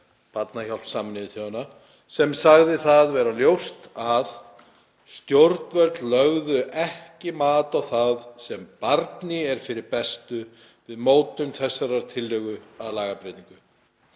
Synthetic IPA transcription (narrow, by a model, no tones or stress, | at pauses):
pat̪naçal̥sːaːmɪnɪvɪθjowana | sɛmsaɣðɪθaðvɛːɾaljowst̪að | st̪jowɾt̪nvœɾt̪llœɣðʏʔɛhcɪmaːt̪awθaðsɛmpaɾt̪nɪɛɾ̥fɪɾɪɾpɛst̪ʏ | vɪðmoːwt̪ʏmθɛsːaɾaɾ̥t̪ʰɪlːœɣʏaðlaːɣapɾet̪niŋkʏ